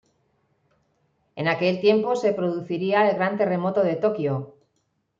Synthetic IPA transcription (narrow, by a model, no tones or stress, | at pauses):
e̞nake̞lt̪je̞mpo̞se̞pɾo̞ðuθiɾiaelɣɾant̪e̞re̞mo̞t̪o̞ð̞e̞t̪o̞kjo